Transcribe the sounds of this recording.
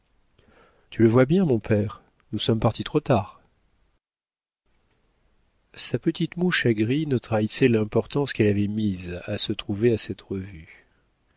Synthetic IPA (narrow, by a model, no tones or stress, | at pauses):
t̪yləvwabjɛ̃mɔ̃pʰɛʁ | nusɔmpaʁt̪it̪χot̪aːʁ | sapət̪it̪muʃaɡʁinət̪χaisɛlɛ̃pɔʁt̪ɑ̃skɛlavɛmizasət̪χuveasɛt̪ʁəvy